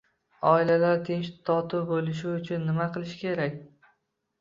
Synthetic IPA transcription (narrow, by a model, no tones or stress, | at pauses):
ɒɪlalaɾt̪ʰɪnt͡ʃt̪ʰɒt̪ʰʊbolɪʃ̬ɪʊt͡ʃʰʊnːɪmaqʰɨlˠɪʃɪ̥kʲʰe̞ɾakʲ